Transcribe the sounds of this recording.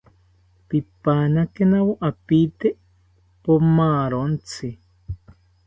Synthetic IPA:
pipaːnakenawoʔapit̪eʔ | pomaːɾont͡sʰi

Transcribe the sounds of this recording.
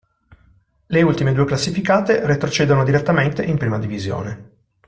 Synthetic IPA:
leult̪imed̪uːeklasːifikaːt̪eret̪ɾot͡ʃɛːd̪onod̪iɾet̪ːament̪eʔimpɾiːmad̪ivizjo̰ːne

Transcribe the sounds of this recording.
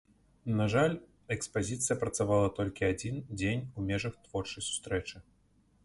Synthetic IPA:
naʐalʲ | ɛkspazʲit̪sɨjɐpɾɐt̪savalˠɐt̪ɔlʲkʲiad͡zʲind͡zʲenʲumʲɛʐɐxt̪v̥ɔrt͡ʂɐjsu̥st̪ɾɛt͡ʂɨ

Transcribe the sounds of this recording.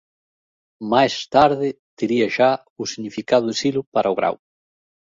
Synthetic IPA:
majst̪aɾðɪ | t̪eɾiɐʃa | ʊsiɣɲifikað̞ʊesilʊpaɾʔɐoɣɾa̰w

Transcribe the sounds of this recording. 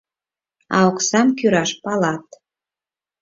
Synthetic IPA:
ɑ̰oksɑmkyɾɑʃpɑlɑt̪

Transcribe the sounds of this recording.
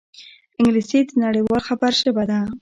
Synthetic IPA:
ɪŋɡlised̪ənaɽəjwɑlxabaɾʃəbad̪a

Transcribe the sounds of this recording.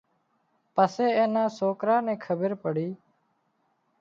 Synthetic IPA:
pəseːeːnãːsoːkɾaːnẽːkʰəbəɾpəɽiː

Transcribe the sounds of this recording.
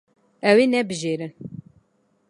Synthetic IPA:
ɛwenɛbɨʒeɾɨn

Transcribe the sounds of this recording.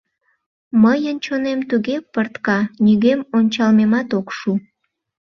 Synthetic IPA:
məjənt͡ɕonemt̪uɣepərt̪kɑnyɣemonʲt͡ɕɑlmemɑt̪okʃu

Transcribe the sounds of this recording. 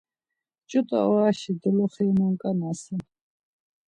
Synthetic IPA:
t͡ʃʼut̪ʼɔ̰ɔɾaʃid̪ulɔχɛmɔŋkʼanasɛ

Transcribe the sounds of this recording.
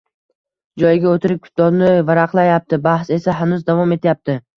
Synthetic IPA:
d͡ʒɒjɪɡʲaot̪ɪɾɪp̚kʲʰʊ̥t̪̚d̪ɒnɪvaɾaqlˠajap̚t̪ɪbahse̞saɦanʊzd̪avɒme̞t̪ʰjap̚t̪ʰɪ

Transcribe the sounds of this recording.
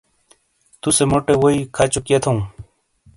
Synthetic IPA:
t̪usemoʈewoikʰat͡ɕukiet̪ʰõũ

